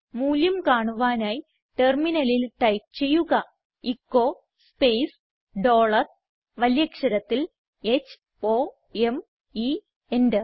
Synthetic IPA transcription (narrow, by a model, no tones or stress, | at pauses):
muːljumkaːɳuʋaːnaːji | ʈerminɐlilʈɐjp̚t͡ɕe̞jːuɣɐ | ikːo̞ː | spejs | ɖo̞ːɭɐr | ʋɐljɐkʂɐɾɐt̪ːil | et͡ɕː | oː | e̞m | i | endɨ